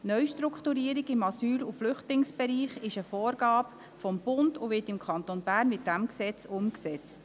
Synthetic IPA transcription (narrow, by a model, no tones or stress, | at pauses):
nœʏʃtɾukχtuɾiːəɾɪɡɪmɑsyːluflʏχtlɪŋsb̥ɛɾiːχɪʃəfoːɾɡɑːb | fɔmb̥ʊndʊʋɪːtɪmkʰχɑnt̪onbæːrnmɪt̚d̥æmksɛt͡sʊmksɛt͡st